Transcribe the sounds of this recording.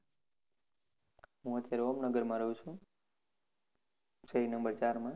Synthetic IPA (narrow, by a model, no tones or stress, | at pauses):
ɦũət̪jaɾeomnəɡəɾmãɾəɦũt͡ʃʰũ | ʃəɦinəmbəɾt͡ʃaɾmã